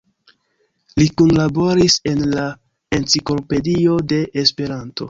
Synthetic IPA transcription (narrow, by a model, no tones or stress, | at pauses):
likunlabo̞ɾise̞nla | e̞nt͡siklo̞pe̞dio̞de̞ʔːspe̞ɾanto̞̰